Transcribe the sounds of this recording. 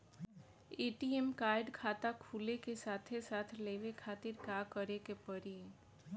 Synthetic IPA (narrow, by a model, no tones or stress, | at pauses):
eːʈiɛmkaːɪɖkʰaːt̪akʰuːlekesaːt̪ʰesaːt̪ʰleːʋekʰaːt̪ɪɾkaːkəɾekepəɾi